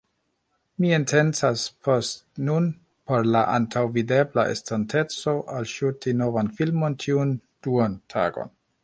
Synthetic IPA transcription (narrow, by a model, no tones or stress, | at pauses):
mientʰe̞nt͡saspʰostnun | po̞ɾlaʔa̰ntʰawvide̞bla̰ʔḛstante̞t͡so̞ʔalʃutino̞vanfilmo̞ntʰiund̥uantʰa̰ɡo̞̰n